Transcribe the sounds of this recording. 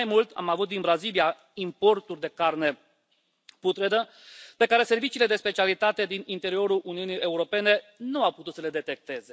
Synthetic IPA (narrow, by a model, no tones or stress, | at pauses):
ajmult̪a̰mavut̪̚d̪inbɾazilia | impo̞rt̪urʲd̪e̞karne̞ | put̪ɾed̪ə | pe̞kaɾe̞se̞rvit͡ʃiːle̞d̪e̞spe̞t͡ʃialit̪at̪e̞d̪inint̪e̞ɾio̞ɾulʔuniunije̞uɾo̞pe̞ne̞nuawput̪ut̪səle̞d̪e̞t̪e̞k̚t̪e̞ze̞